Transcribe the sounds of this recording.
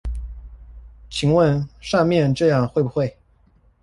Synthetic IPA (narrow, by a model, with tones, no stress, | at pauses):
t͡ɕʰi˧˥ŋwə˥˧nʂɑ˥˧mjɛ˥˧nʈ͡ʂɤ˥˧jɑ˥˧ŋxwe˥˩ɪbu˩xwe˥˩ɪ